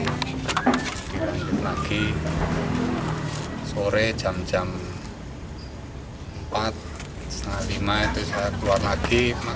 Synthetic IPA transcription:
d̪̥ilaɲd͡ʒʊt̪̚naɡ̥i | soɾed̥ʒ̥a̤md̥d͡ʒ̥a̤m | əmpat̪̚ | sənalimait̪usajakəluwarnaɡ̥ima

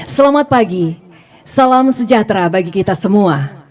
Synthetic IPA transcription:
səlamat̪̚paɡi | salamsəd͡ʒat̪ɾabaɡikit̪asəmua

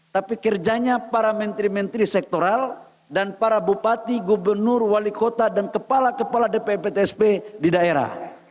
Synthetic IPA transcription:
t̪apikərd͡ʒaɲapaɾamɛnt̪ɾimɛnt̪ɾisɛk̚t̪oɾal | danpaɾabupat̪iɡubərnʊrwalikot̪adankəpalakəpaladepepet̪eɛspedidaeɾa̰h

